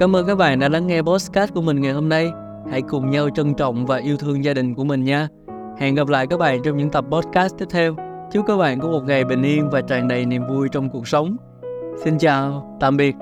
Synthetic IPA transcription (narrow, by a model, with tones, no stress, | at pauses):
kaː˨˦mʔəː˧nkaː˦˥k̚ɓaː˧˨nɗa̰ː˧˥la˨˦ŋŋɛ˧ɓɔ˦˥t̚skaː˦˥t̚ku˧˩əmï̟˨˩ŋa˨˩jɦo˧mna˧j | ha̰˧˥jkʊ˨˩ŋ͡mɲa˧wt͡ɕə˧nt͡ɕə̰˧˨wŋ͡mvaː˨˩ʔi˧əwt̪ʰɨ˧əŋzaː˧ɗï˨˩ŋ̟ku˧˩əmï˨˩ŋ̟ɲaː˧ | hɛ̰˧˨nɣa˨˩p̚la̰ː˧˨jkaː˦˥k̚ɓa̰ː˧˨nt͡ɕɔ˧wŋ͡mɲɨ̰˧˥ŋt̪ə˨˩p̚ɓɔ˦˥t̚kaː˦˥st̪ʰi˦˥p̚t̪ʰɛ˧w | t͡ɕi˦˥wkaː˦˥k̚ɓa̰ː˧˨nkɔ˧˦mo˨˩t̚ŋa˨˩jɓï˨˩ŋ̟ʔi˧ənvaː˨˩t͡ɕaː˨˩ŋɗə˨˩jni˨˩əmvu˧jt͡ɕɔ˧wŋ͡mku˨˩ək̚sə˨˦wŋ͡m | si˧nt͡ɕaː˨˩wt̪a̰ː˧˨mɓi˨˩ət̚